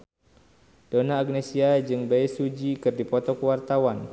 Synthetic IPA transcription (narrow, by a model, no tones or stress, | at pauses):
d̥onaːɡ̚nesiad͡ʒɨŋbajsud͡ʒikɨrdipɔt̪ɔkəwart̪awan